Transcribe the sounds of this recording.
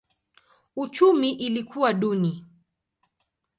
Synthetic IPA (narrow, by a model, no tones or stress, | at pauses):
ut͡ʃumiʔilikʰuwaɗuni